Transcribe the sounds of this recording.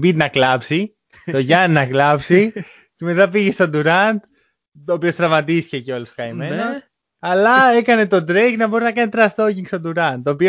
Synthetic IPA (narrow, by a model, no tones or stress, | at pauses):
bit̪nɐklɐpsi | o̞ʝɐnnɐklɐpsi | ce̞me̞t̪ɐpiʝe̞st̪od̪uɾɐnd̪ | t̪oːpiost̪ɾɐvmɐt̪isi̥ceceo̞luskɐime̞nos | ɐlɐe̞kɐne̞t̪o̞d̪ɾeɡnɐbo̞ɾinɐkɐnit̪ɾɐst̪o̞ciŋkst̪od̪uɾɐnd̪̚t̪oːpio